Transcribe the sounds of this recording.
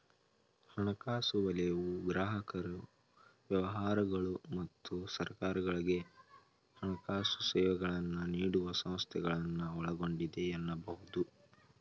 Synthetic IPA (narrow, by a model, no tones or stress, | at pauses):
hɐnɐkaːsuʋɐlɛjʋuɡɾaːɦɐkɐɾu | ʋjɐʋɐɦaːɾɐɡɐɭumɐt̪ːusɐɾkaːɾɐɡɐɭiɡe̞ | hɐnɐkaːsu̥sɛːʋɐɡɐɭɐnːuniːɽuʋɐsɐ̃mst̪ʰɛɡɐɭɐnːuɔɭɐɡo̞ɳɖid̪eɛnːɐbɐɦud̪u